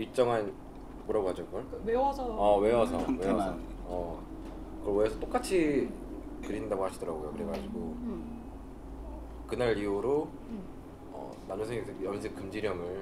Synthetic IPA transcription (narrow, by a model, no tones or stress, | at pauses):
iɭt͡ɕ͈ʌŋɦan | moɾaɡoɦad͡ʑoɡʌɭwewasʰʌʌwe̞wasʰʌwewasʰʌʌ | kɯʌweesʰʌt͈ok͈at͡ɕʰi | kɯɾindaɡohaɕʰidʌɾaɡojokɯɾeɡad͡ʑiɡo | ʌ | kɯnaɭiuɾo | ʌ̰ | nanɯnsʰeŋɡekɯjʌnsʰek͈ɯmd͡ʑiɾjʌŋɯɭ